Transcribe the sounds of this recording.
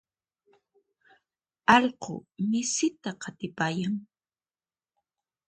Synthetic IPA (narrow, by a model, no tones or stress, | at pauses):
ɑʎqʊ̰mɪsɪt̪aqʰɑt̪ɪpaːjaŋ